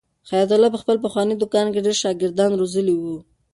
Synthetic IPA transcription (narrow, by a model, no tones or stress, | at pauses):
xajɑt̪̬ʊlɑp̬əxpəlp̬əxwɑnid̪ʊkɑnkeɖeɾʃɑɡɪɾd̪ɑnɾozəliwu